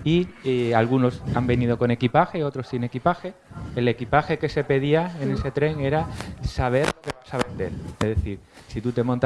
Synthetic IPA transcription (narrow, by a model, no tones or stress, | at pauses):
ialɣ̞uno̞sambe̞nið̞o̞ko̞ne̞kipaxe̞o̞t̪ɾo̞sine̞kipaxe̞ | ele̞kipaxe̞ke̞se̞pe̞ðiae̞ne̞se̞t̪ɾe̞ŋe̞ɾasaβ̞e̞ɾokeβasaβe̞nd̪e̞̰leðeθiɾ | sit̪ut̪e̞mont̪